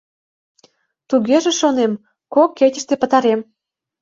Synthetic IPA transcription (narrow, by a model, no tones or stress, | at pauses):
t̪uɣeʒĕʃonem | kokːetʲə̥̆ʃt̪epə̆t̪ɑɾem